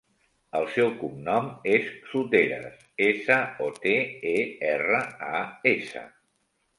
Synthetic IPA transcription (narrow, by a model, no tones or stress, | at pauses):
əlˠsɛwkumnɔmesːut̪eɾə̰s | esəɔt̪eeɛrəaesə̰